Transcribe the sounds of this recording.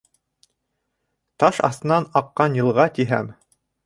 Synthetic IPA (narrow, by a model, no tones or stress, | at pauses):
t̪ɑʃɑ̰θt̪ɤ̆nɑnɑqːɑnjɤ̆lˠʁɑt̪iɦæ̰m